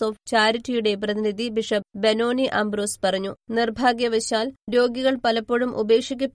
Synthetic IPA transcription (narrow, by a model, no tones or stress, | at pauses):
so̞ːft͡ɕaːɾitːijuɽe̞prɐðinid̪ʱibiʂɐbeno̞ːniʔɐmbroːspɐrɐɲːunirbʱaːɡjɐʋɐɕaːlɾo̞ːɡiɣɐɭpɐlɐpːoɻumʔṵbeːkʂikʲːupː